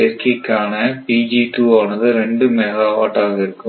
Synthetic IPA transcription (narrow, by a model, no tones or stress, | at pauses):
ɛɾkikːaːnɐpiːd͡ʒiʈuːaːnɐðɯɾɛɳɖɯmɛɣaːʋaːʈːaːɣɐɪɾɯkːɯ